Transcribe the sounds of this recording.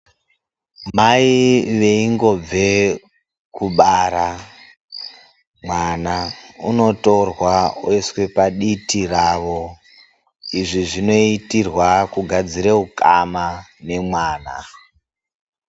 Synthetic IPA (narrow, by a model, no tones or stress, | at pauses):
maiʋe̞iŋɡo̞b͡ve̞ | kuɓaɾa | mwanaṵno̞to̞rwauiswe̞paɗitiraʋo | iʐiʐino̞itirwakuɡʱad͡ziɾeukamane̞mwaːna